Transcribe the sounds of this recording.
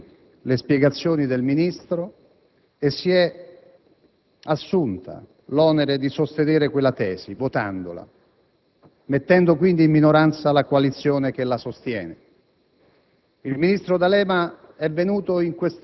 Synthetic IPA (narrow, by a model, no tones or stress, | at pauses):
lespjɛɡat̪sːjoːnid̪elminist̪ɾo | esːiɛ | asːunt̪ʰa̰ | lɔneɾed̪isost̪eneːɾekwelːat̪ɛːsivot̪a̰nd̪o̰la̰ | met̪ːɛnd̪okwind̪iːmminoɾant̪salakoalit̪sːjoːnekelasost̪jɛ̰ːne | ilminist̪ɾod̪alɛːma | ɛvːenuːt̪oiŋkwes